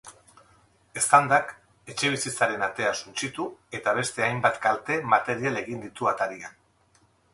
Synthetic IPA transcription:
e̞st̪and̪ak | e̞t͡ʃe̞β̞isit͡saɾe̞nat̪e̞asunt͡sit̪ue̞t̪aβ̞e̞st̪e̞ajmbat̪kalt̪e̞mat̪e̞ɾiale̞ɣind̪it̪uat̪aɾian

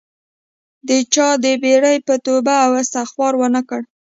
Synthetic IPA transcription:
d̪ət͡ʃɑd̪əbeɽəjpət̪obaːwasaxwɑɾwənakəɽ

